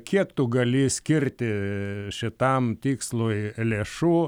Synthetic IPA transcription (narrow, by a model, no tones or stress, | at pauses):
kʲiɛkt̪ʊɡɐlʲɪsʲkʲɪɾʲt̪ʲɪʃʲɪt̪ɐmt̪ʲiːkslˠojlʲeːʃuː